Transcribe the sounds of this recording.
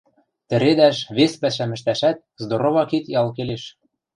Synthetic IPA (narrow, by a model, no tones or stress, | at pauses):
t̪ɘ̆ɾed̪æʃβespæʃæmɘ̆ʃt̪æʃæt̪̚zd̪oɾoβɑkit̪jɑlˠk̬eleʃ